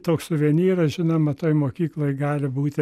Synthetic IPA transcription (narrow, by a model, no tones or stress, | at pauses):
t̪oːkssʊʋʲiɛnʲiːɾɐsʒʲɪnɐmɐt̪oːjmoːkʲiːklˠoːjɡɑːlʲɪbuːt̪ʲɪ